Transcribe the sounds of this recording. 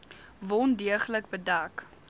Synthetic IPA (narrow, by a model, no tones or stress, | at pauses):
vɔndiəχləkbədɐk